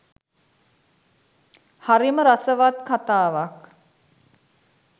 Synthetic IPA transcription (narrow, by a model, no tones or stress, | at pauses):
haɾiməɾasəʋat̪kat̪aːʋak